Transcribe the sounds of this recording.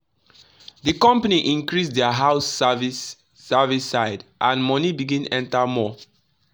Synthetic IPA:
ðikɔ̃mpaniʔĩŋkɹisdɛəɦaʊsvisː | ɛvisaɪdʔãnmɔnibiɡĩnɛ̰̃ntamɔ

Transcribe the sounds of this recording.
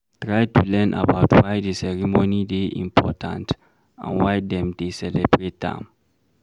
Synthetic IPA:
tɹajtulɛnʔa̰baʊtʰwajdəsɛɹimonideʔḭ̃mpʰɔ̰tʰã̰nt | ã̰nwajdɛ̃mdesɛlɛbɹet̚dã̰m

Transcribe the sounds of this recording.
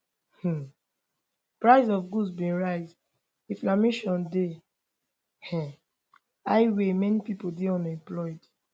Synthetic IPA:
h̩ | pɹaɪzɔfɡudsbĩnɹaɪz | ĩflameʃɔ̃nde | hɛ̃ | aɪwemɛnipipodeɔ̃nɛ̃mplɔɪd

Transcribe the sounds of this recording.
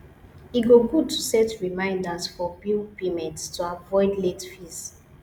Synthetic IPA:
iɡoɡud̚tʰu̥sɛtɹimãɪ̃ndasfɔbilpemɛ̃ntstuavɔɪdletfis

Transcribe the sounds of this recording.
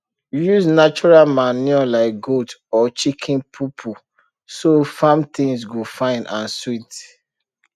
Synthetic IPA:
juznat͡ʃɔɹalmaniɔlaɪk̚ɡodɔt͡ʃikʰĩnpʰupʰu | sofãmt̪ĩŋsɡofãɪ̃nʔãnswit

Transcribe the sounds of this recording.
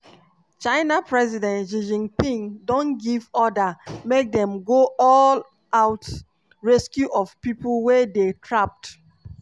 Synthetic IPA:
t͡ʃaɪnapɹɛzidɛ̃ntʃid͡ʒĩŋpĩŋdõnɡivɔdamek̚dɛ̃mɡoɔl | aʊt | ɹɛskjuʔɔv̥piplwedetʰɹap̚t

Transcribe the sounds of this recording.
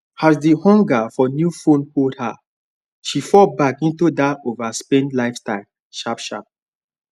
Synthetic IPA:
azdihɔ̃ŋɡafɔnjufõnkoldha | ʃifɔbakĩntudaovaspẽnlaɪfstaɪl | ʃapʃa̰p̚

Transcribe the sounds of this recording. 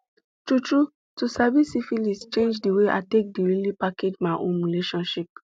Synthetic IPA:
tɹutɹu | tusavisifilist͡ʃẽnd͡ʒdiweʔa̰tek̚diɹilipakʰed͡ʒmaɪʔõnɹileʃɔ̃nʃip̚

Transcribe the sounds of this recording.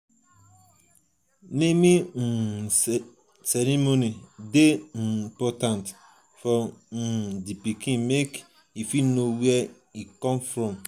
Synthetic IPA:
nemi | sɛɾimonideipɔtãnt | fɔ | dipikĩmek | ifinowɛ | ikɔ̃mfɾɔ̃m

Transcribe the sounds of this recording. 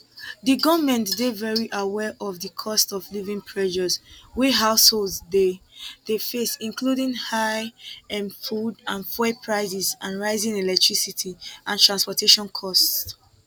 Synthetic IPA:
ðiɡɔvmɛ̃ntdevɛɹiʔawɛʔɔvðəkʰɔstɔvlivĩŋpʰɹɛʃɔzwiɦaʊsholdzdeðefesĩnkʰludĩŋhaɪɛ̃mfudãnfɛpʰɹaɪzizãnɹaɪzĩnelɛk̚tʰɹ̥isitʰiãntʰɹãnspɔtʰeʃɔ̃nkʰɔsts

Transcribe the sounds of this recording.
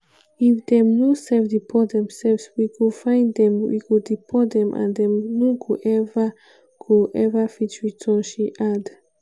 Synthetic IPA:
ifd̪ɛ̃mnosɛlfdipʰɔdɛ̃msɛlvswikufãɪ̃ndɛ̃mwḭkudipʰɔdɛ̃mʔã̰ndɛ̃mnukuʔɛva | kʰuʔɛvafit͡ʃɹitʰɔ̃nʃiʔad

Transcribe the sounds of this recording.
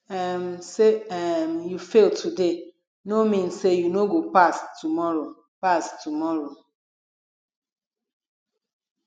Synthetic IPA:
ɛmseɛmjufeltʰude | nomĩnsejunoɡopastumɔɹo | pastumɔɹo

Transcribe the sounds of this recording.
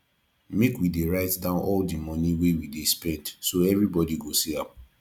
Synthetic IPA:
mekwideɹaɪtdãʊ̃nʔɔldimɔ̃nĩwewidespɛ̃ndsoɛvɹibɔdiɡosiãm

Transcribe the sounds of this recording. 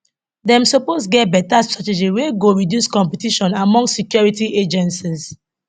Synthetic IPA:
dɛ̃msopostɡɛt̚bɛtastɹated͡ʒiweɡoɹidjuskɔ̃mpɛtiʃɔ̃namɔ̃ŋsikjɔɹitiʔed͡ʒɛ̃nsis

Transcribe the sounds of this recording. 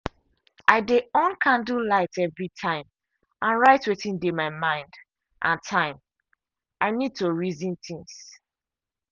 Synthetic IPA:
ʔaɪdeɔ̃nkʰãndulaɪtɛvɹitʰãɪ̃m | ʔãnɹaɪtwiθĩndemaɪmãɪ̃nd | ʔã̰ntʰãɪ̃m | ʔaɪnid̚toɹizĩnt̪ĩŋs

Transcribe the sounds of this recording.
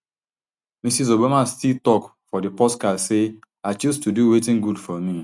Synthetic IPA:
misis̬obamastiltɔkfɔdɪpɔskase | aɪt͡ʃustuduwetɪ̃ŋɡudfɔmi

